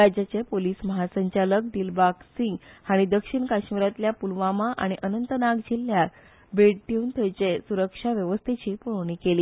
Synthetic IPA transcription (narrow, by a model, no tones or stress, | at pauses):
ɾad͡ʑat͡sepoliːsməɦasəɲt͡ɕalək̚d̪ilbaksĩŋɡhaɽ̃id̪əkʂiɳkaɕmiɾat̪ljapulʋamaʔa̰ɽ̃iʔənənt̪ənaɡd͡ʑilːja | beɽʈiunt̪ʰəjt͡ɕesuɾəkʂaʋjəʋəst̪ʰet͡ɕiːpuɳ̃ikeliː